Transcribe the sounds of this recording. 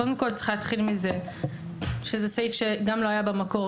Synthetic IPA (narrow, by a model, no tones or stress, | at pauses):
od̪emko̞ltt͡si̥χlæːt̪χilmize | ʃezesejfʃeɡamlo̞ɦajabemako̞